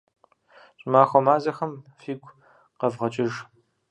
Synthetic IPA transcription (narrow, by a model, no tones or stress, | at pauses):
ɕʼmaːxʷɔmaːzɐxɐmfiːɡʷ | qɐvʁɐt͡ʃʼɪʒ